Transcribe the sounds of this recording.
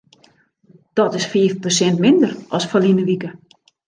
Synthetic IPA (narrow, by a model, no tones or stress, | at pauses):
d̥ɔtɪsfiːfposɛntmɪndərɔsfalinəʋikə